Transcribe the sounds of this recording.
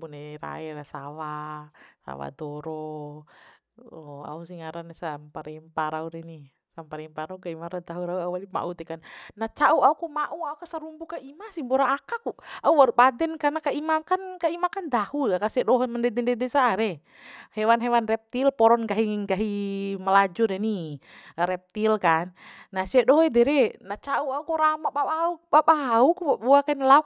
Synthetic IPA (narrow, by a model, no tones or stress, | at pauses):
bunɛɾa̰ɛɾasawasa̰wa̰dɔɾɔ | ɔa̰us̬iŋaɾanɛsampaɾɛmpaɾauɾɛni | sampaɾɛmpaɾaukaimaɾad̪aɦuɾaauwalima̰ʔut̪ɛkannat͡ʃauaukumaʔuaukasaɾumbukaimasimbɔɾaːkakuauwaɾupadɛnkarnakaimakankaimakand̪ahuakasɛdɔɦmandɛdɛndɛdɛsaɾɛ | hɛwanɦɛwanrɛp̚t̪ilpɔɾɔnɡaɦiŋiŋɡaɦimalad͡ʒudɛni | ɾɛp̚t̪ilkanːasɛdɔɦɛdɛɾɛnat͡ʃauaukuɾamabaɓaaubaɓaɦaukubabɔakainlauk̚